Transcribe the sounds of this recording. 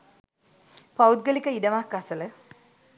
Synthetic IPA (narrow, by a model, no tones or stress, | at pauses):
pɐwd̪̚ɡɐlikʲːɐidɐʋaːkːasɐlɨ